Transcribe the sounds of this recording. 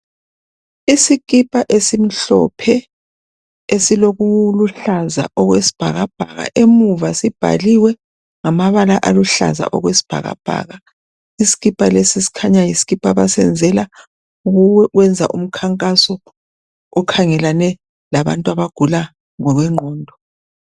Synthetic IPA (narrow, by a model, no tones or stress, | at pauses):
isiɣʼipʼaʔesim̩ɬɔ̰pʰɛ | esiloɣuluɬaza̰ʔɔɣwesi̥b̥ʱa̰ɣab̥ʱa̰ɣa̰ʔemuvasib̥ʱa̰liwɛ | ŋamaβalaʔaluɬa̰za̰ʔɔ̰ɣwesi̥b̥ʱa̰ɣa̰b̥ʱa̰ɣa | isi̥ɣipʼalesisi̥kʰaɲajisi̥ɣipʼaβasɛ̰nd͡zʱɛla | uɣuwɛwɛnd͡zʱa̰ʔum̩kʰaŋkʼasɔ | ɔkʰaŋɛlanɛ | laβa̰ntʼwaβaɡ̥ʱula | ŋɔɣɛŋ͡ǃʱɔːndʱɔ